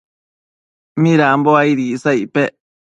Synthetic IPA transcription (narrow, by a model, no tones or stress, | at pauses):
mĩɾaːmboaiɾisajpe